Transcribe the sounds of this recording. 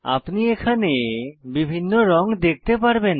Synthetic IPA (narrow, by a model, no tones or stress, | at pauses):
a̰pniekʰanebibʱinːoɾɔŋd̪ek̚ʰt̪epaɾben